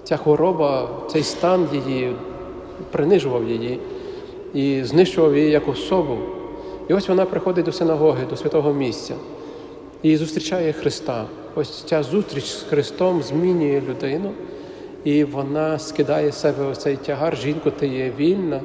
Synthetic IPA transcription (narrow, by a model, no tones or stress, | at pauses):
t͡sʲaxʋɔɾɔbɐt̪sɛjst̪ɑnjɪji | pɾɪnɪʒʊʋɐwjeji | iznɪʃt͡ʃʊʋɐwjɪjijɐkɔsɔbɔw | iɔsʲʋɔnɑpɾɪxɔd̪ɪt̚ʲd̪ɔsɪnɐɦɔɦɪd̪ɔsʲʋʲɐt̪ɔɦɔmʲisʲtʲt͡sʲɐ | izʊst̪ʲɾʲit͡ʃɑjɛxɾɪst̪ɑ | ɔsʲt͡sʲɑzust̪ɾʲit͡ʃsxɾɪst̪ɔmzʲmʲinʲʊjɛlʲʊd̪ɪnʊ | iʋɔnɑskɪd̪ɑjɛsɛbɛɔt̪sɛjtʲɐɦɑrʒinkʊt̪ɪjɛʋʲilʲnɐ